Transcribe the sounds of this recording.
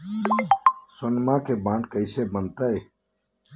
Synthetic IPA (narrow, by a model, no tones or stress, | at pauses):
sʊnmãːkʰeːbãːɳɖkəiseːbənt̪əeː